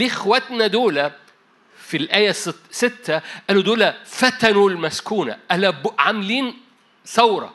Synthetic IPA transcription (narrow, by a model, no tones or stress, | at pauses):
lɪxwæt̪næd̪oːlæ | filʔæːjæssɪt̪ːæʔæːlud̪oːlæfæt̪ænulmæskuːna̰ʔælæbʕamliːn | θɑwɾˤɑ̰